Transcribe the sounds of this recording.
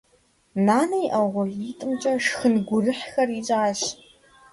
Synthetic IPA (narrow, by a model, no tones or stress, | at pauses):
naːnɐjʔɐʁʷɔitʼɨmt͡ʃʼɐʂxɨnɡʷʊrɨħxɐrit͡ʃʼaːɕ